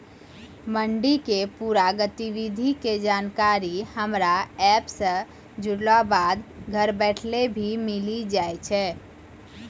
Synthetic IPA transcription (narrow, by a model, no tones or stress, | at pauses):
məɳɖikepuɾaɡət̪iʋid̪ʱiked͡ʒankaɾihəmɾaɛpsə̃ | d͡ʒuɽlabad̪ɡʱəɾbɛʈʰlebʱimilid͡ʒajt͡ʃʰɛː